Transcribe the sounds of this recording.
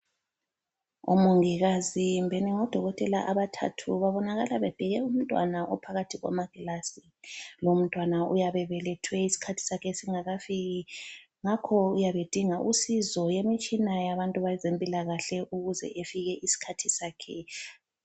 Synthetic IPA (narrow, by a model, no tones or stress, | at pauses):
o̰muŋiɣazimbʱɛniŋɔd̥ʱɔɣɔtʼɛla̰ʔaβatʰa̰tʰuβaβɔnaɣalaβɛb̥ʱɛɣɛum̩tʼwa̰naʔɔpʰaɣatʰiɣwa̰maɡ̥ʱɛlasi | lom̩tʼwanaṵjaβɛβɛlɛtʰwɛisi̥kʰatʰi̥sakʰɛsiŋaɣafiɣi | ŋakʰɔujaβed̥ʱiŋaʔusizɔjemit͡ʃʼinajaβantʼuβazempʼilaɣaɬɛʔuɣuzɛ̰ʔefiɣɛʔisi̥kʰatʰisaːkʰɛ̰